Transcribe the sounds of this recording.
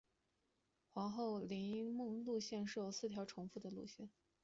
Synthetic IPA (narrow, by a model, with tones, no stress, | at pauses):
xwɑ˧˥ŋxo˥˩ʊli˧˥mɤ˥˧ŋlu˥˧ɕjɛ˥˧nʂɻ̩˥˩jo˨˩ʊsɹ̩˥˩t̪ʰjɑ˧˥ʊʈ͡ʂʰʊ˧˥ŋfu˥˩d̪ə˩lṵ˥˧ɕjɛ˥˩n